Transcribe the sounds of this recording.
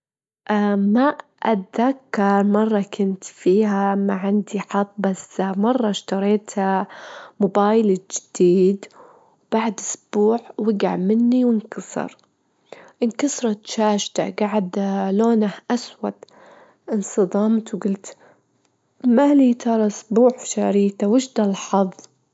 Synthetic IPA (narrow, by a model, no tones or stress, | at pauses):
ʔamaʔat̪ðakːɑɾˤmɑrˤːɑkʰʊnt̪fiːɦamaʕɪnd̪iħɑt̪ˤːbasmɑrˤːɑʃt̪ɑɾˤeːt̪amʊbaːjld͡ʒɪd̪̥iːd̪ | wb̥aʕd̪ʔʊsb̥uːʕwɪɡaʕmɪnːiwɪnkɑsˤɨ̰ɾ | ʔɪnkɑsɾˤɑt̪ʃaːʃt̪a̰ɡaʕɪd̪loːnahʔaswa̰d̪ | ʔɪnsˤɨd̪ˤɑːmt̪wɡʊlt̪ | maliːt̪ʰɑɾˤɑɪsbuːʕfʃaɾiːt̪awɪʃd̪alħɑðˤ